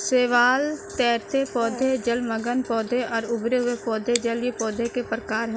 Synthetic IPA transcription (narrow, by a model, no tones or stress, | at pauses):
seːʋaːlt̪ɛːɾt̪ʰepɔːd̪ʱed͡ʒəlməɡənpɔːd̪ʱeɔːɾʊbɾeɦʊepɔːd̪ʱed͡ʒəljepɔːd̪ʱekepɾəkaːɾɦ